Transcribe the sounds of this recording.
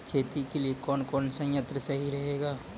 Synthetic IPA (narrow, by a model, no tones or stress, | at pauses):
kʰeːt̪ikeliekɔːnkɔːnsɐ̃jət̪ɾəsɐɦiɾɐɦeːɡaː